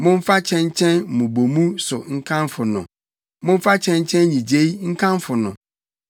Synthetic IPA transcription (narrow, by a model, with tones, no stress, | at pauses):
mʊ̃˦m̩˦fa˦t͡ɕʰɛ̃˦ɲ˦t͡ɕʰɛ̃˦n˨mũ˨bo˨mũ˦sʊ˨ŋ̩˦kʰã˦nfʊ˨nʊ̰̃˨ | mʊ̃˦m̩˦fa˦t͡ɕʰɛ̃˦ɲ˦t͡ɕʰɛ̃˦n˦ɲĩ˨d͡ʑe˦i˦ŋ̩˦kʰã˦mfʊ˨nʊ̰̃˨